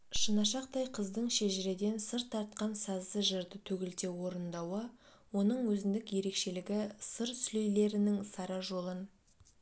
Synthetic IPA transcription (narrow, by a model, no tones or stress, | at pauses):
ʃənɑʃɑq̚t̪ɑjqʰəzd̪əɴʃe̞ʒɪɾe̞d̪e̞nsəɾt̪ʰːɑɾt̪̚qɑnsɑzəʒəɾd̪ət̪ʰɵɡʲɪlt̪e̞wo̞ɾənd̪ɑwə | wo̞nəɴwɵzɪnd̪ɪkje̞ɾe̞kʃe̞lɪɡʲɪsəɾsʏlejle̞ɾɪnɪŋsɑɾɑʒo̞lˠən